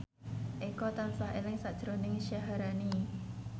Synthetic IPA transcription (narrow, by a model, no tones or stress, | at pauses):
ʔekɔt̪ansaɦelɪŋsaʔd̥ʒ̥əɾonɪŋʃaɦaɾani